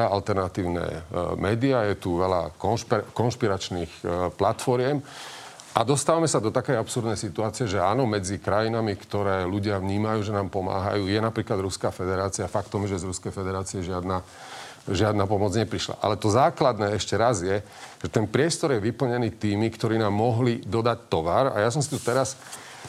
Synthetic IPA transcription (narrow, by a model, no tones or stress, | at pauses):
aalt̪ɛɾnat̪iːʊnɛ̰mɛːd̪iajɛt̪uʋɛla̰kɔnʃpkɔnʃpiɾat͡ʃniːxplat̪fɔɾɪjɛm | ʔad̪ɔst̪aːʋamɛsad̪ɔt̪akɛjapsuɾd̪nɛjsit̪uaːt͡siɪɛʒɛaːnɔmɛd͡zikɾajinamikt̪ɔɾɛːluɟɪavɲiːmajuːʒɛnaːmpɔma̰ːɦa̰juːjɛnapɾiːklad̪ɾuskafɛd̪ɛɾaːt͡siafakt̪ɔmʒɛzɾuskɛjfɛd̪ɛɾaːt͡siɛʒɪad̪na | ʒɪad̪naːpɔmɔd͡zɲɛpɾiʃla̰ʔa̰lɛt̪ɔzaːklad̪nɛːɛʃcɛɾazjɛ | ʒ̥ɛt̪ɛnpɾɪɛst̪ɔɾjɛʋipl̩ɲɛniːt̪iːmikt̪ɔɾiːnaːmːɔɦlid̪ɔd̪act̪ɔʋaɾa̰jas̬ɔmsit̪ut̪ɛɾas